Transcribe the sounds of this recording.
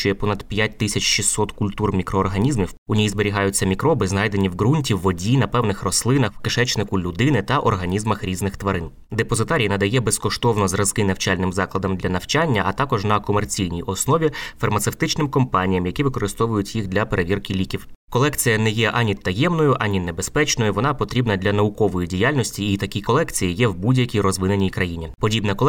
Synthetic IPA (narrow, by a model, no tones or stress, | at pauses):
t͡ʃɔjɛpɔnɐd̪pʲjat̚ʲt̪ɪsʲɐt͡ʃʃisːɔt̪kʊlʲt̪urmʲikɾɔːrɦɐnʲizmʲiwʊnʲijzbeɾʲiɦɑjʊt͡sʲːɐmʲikɾɔbɪznɑjd̪e̞nʲiwɣɾunʲtʲiwːɔdʲinɐpɛwnɪxrɔslˠɪnɐxwkɪʃɛt͡ʃnɪkʊlʲʊd̪ɪnɪt̪ɐʔɔrɦɐnʲizmɐxɾʲiznɪxt̪ʋɐɾɪn | d̪epɔzɪt̪ɑɾʲijinɐd̪ɐjɛbɛskɔʃt̪ɔwnɔzrɐzkɪnɐwt͡ʃɑlʲnɪmzɑklˠɐd̪ɐmd̪lʲɐnɐwt͡ʃanʲːɐʔɐt̪ɑkɔʒnɐkɔmert͡sʲijnʲijʔɔsnɔʋʲifɐrmɐt̪sewt̪ɪt͡ʃnɪmkɔmpɑnʲijɐmjɐkʲiʋɪkɔɾɪst̪ɔʋʊjʊtʲjiɣd̪ʲlʲɐpeɾeʋʲirkɪlʲikʲiwkɔlˠɛkt͡sʲijɐnɛjɛʔɑnʲit̪ːɐjɛmnɔjʊʔɑnʲinebe̞spɛt͡ʃnɔjʊʋɔnɑpɔt̪ɾʲibnɐd̪lʲɐnɐʊkɔʋɔjidʲijalʲnɔsʲtʲiːt̪ɐkʲikɔlˠɛkt͡sʲijijɛwbudʲjɐkʲijrɔzʋɪnenʲijkɾɐjinʲipɔdʲibnɐklˠ